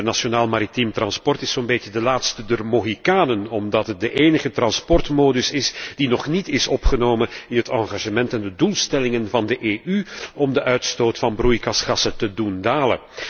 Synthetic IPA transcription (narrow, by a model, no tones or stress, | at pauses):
rnasionaːlˠmaɾitimtrɑnspɔrtɪsoːnbeədəlaːtstədərmoːɦikaːnənɔmdɑtɦət̚dəʔeːnəɣətrɑnspɔrtmoːdɵsɪsd̥inɔχnitɪsɔpχənoːməɪnɦətɑŋɣaʒəmɛntɛndədulˠstɛlɪŋənvɑndəʔeːʔyɔmdəʔœɥtstoːtfɑnbrujkɑsχɑsətədundaːlə̰